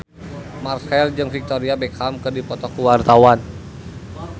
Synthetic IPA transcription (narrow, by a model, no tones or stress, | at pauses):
marsɛld͡ʒɨŋfik̚t̪ɔɾiabɛkʰamkɨrdipɔt̪ɔkəwart̪awan